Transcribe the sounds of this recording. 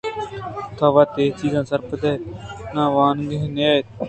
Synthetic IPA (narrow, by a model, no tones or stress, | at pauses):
t̪ʰaːʋaːt̪eːt͡ʃiːzãːsəɾpəd̪ɛːnãːʋaːnɡəɦnːaːe